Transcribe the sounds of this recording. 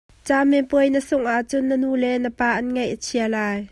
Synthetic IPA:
t͡saːmɛpuəjnəsʊŋʔaʔt͡sʊnːənuːlɛnəpaːʔɐnŋɐjʔət͡sʰiəlaːj

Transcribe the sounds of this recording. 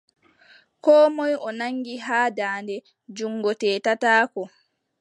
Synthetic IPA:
kɔːmɔjɔnaŋɡiɦaːdaːndɛ | d͡ʒuŋɡɔtɛːtataːkɔ

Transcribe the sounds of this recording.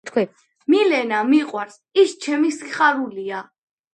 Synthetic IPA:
t̪ʰkʰi | milɛnamiqʼwaɾs | ist͡ʃʰɛmisiχʼaɾulia

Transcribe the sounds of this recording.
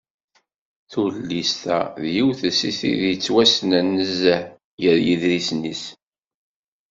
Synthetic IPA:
θuɾlːist̪æ̰ðjiwθəsiθḭðjət͡sːwæsnænːəzəħ | jəɾjiðɾisnis

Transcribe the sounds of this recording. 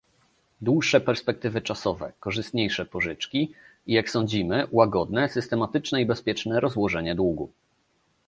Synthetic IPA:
d̪wuʂːɛpɛɾspɛk̚t̪ɘvɘt͡ʂasɔvɛ̰kɔʐɘst̪ɲejʂɛpɔʐɘt͡ʂkʲi | ijaksɔ̃ɲd͡ʑimɘwaɡɔd̪nɛsɘst̪ɛmat̪ɘt͡ʂnɛibɛspʲjɛt͡ʂnɛɾɔzwɔʐɛɲɛd̪wuɡṵ

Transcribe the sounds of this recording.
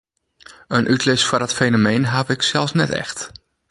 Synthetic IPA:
ənʔytlɪsfərdɔtfejnomejnɦavɪksɛlˠsnɛtɛ̰xt

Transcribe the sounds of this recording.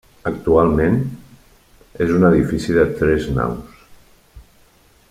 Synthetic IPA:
ək̚t̪ualˠmẽn | ezunəðifisiðət̪ɾɛzna̰ws

